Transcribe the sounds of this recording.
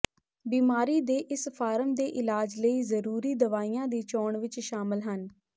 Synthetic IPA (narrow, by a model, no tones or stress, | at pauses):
biːmaːɾiːd̪eːʔɪspʰaːɾəmd̪eːʔɪlaːd͡ʒləiːzəɾuːɾiːd̪əʋaːijãːd̪iːt͡ʃɔːɳʋɪt͡ʃʃaːmɪlɦən